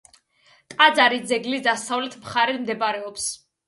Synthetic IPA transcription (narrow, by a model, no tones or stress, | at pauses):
t̪ʼad̪zaɾid̪zɛɡlid̪asavlɛt̪ʰmχaɾɛmd̪ɛbaɾɛɔps